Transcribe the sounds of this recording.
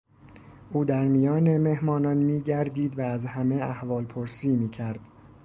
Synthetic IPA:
ʔuːd̪æɾmijɒːneme̞hmɒːnɒːnmiːɟæɾd̪iːd̪væːzhæme̞æhvɒːlpʰoɾsiːmiːcʰæɾd̪̥

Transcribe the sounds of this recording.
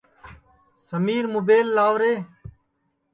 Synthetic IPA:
səmiːɾmʊbeːlːaːʋɾeː

